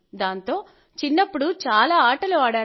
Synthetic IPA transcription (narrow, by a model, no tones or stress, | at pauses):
d̪aːnt̪o̞ː | t͡ʃinːɐpːuɽut͡ʃaːlaːaːʈɐluaːɽaː